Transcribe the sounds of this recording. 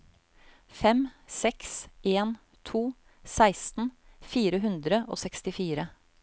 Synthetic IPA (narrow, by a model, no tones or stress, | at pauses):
fɛmsɛksʔeːn | t̪ʰuː | sæɪst̪n̩fiːɾəɦʉnd̪ɾəʔo̰ːsɛkst̪ɪfiːɾə